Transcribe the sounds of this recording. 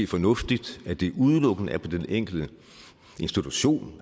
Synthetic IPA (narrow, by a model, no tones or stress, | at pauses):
fɒ̽nɔ̽fd̥id̥æd̥e̝uð̞ˠəlɔ̽ɡ̥ən̩əæɐpʰɒ̽d̥eneŋ̰ɡ̥ld̥ə | e̝nsd̥it͡sʰuɕo̝̰ːn